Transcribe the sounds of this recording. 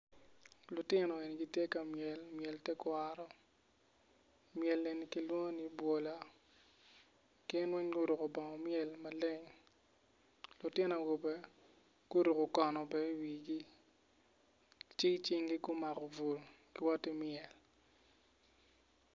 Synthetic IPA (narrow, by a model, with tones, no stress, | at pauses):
lʊ˨tɪ˦nɔ˨e˨ni˨ɡi˦tje˦ka˨mjɛ˨lmjɛ˨ltɛ˦kwa˦ɾɔ˦ | mɪjɛ˨le˨ni˨ki˦lwo˦ŋo˦ni˦bwo˨la˨ | kɪ˦nwɛ˦ɲɡʊ˦ɾʊ˨kɔ˨bɔ˨ŋɔ˨mjɛ˨lma˨le˦ŋ | lʊ˨tɪ˦no˨ɡo˨be˦ | ɡ̥ʊ˦ɾu˨ko˨kɔ˨nɔ˨bɛ˦wi˨ɡi˦ | t͡ʃɪ˦t͡ʃɪ˦ŋɡi˦ɡʊ˦ma˨kɔ˨vu˨l | ɡ̥i˦wɔ˦tːi˦mjɛ˨l